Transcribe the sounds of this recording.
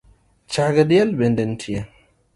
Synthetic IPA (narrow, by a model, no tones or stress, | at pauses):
t͡ʃaɡadijalbɛndɛntʰija